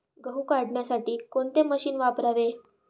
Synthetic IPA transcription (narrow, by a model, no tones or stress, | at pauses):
ɡəɦukaɽɳjasaʈiːkoɳt̪eməɕiːnʋapɾaʋe